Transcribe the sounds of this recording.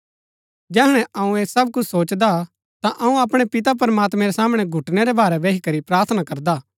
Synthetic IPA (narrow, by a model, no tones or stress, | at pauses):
d͡ʒɛːɦɽ̃ɛ̃ʔɐũeːsɐb̚kʊt͡ʃʰsoːt͡ʃd̪a | t̪ãʔɐũɐpɽ̃ɛpɪt̪̬ap̬ɐɾɐmaːt̪mɛ̃ɾɛsaːmɽ̃ɛɡʱʊʈnɛɾɛbaːɾɛʋeːɦikɐɾipɾaːɾt̪ʰənakɐɾd̪aː